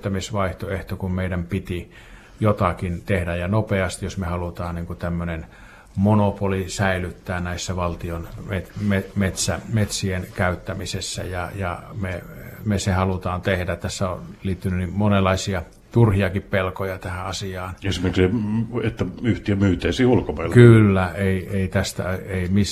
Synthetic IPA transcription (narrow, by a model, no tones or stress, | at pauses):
t̪ːæmisʋɑiht̪oeht̪okummeidæmpit̪i | jot̪ɑkint̪ehdæjjɑnopeɑst̪ijosmehɑlut̪ɑːnniŋkut̪æmːønen | monopolisæilyt̪ːæːnæisːæʋɑlt̪ionmetmemet̪sæmet̪sienkæyt̪ːæmisesːæ̰jɑ̰jɑ̰memesehɑlut̪ɑːnt̪ehdætt̪æsːæo̰nliːt̪ːynynimmonelˑːɑisiɑ | t̪urhiɑkippelkojɑt̪æhæɑsiɑːnesimerkseet̪ːæyht̪iæmyːt̪eisiːulkomɑilkylːæeieit̪æst̪æ̰eimis